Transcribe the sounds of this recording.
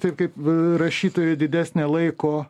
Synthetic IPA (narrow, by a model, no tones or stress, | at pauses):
t̪ɐɪp̚kɐɪpɾɐʃʲiːt̪oːjod̪ʲɪd̪ʲæːsʲnʲeːlˠɐɪkoː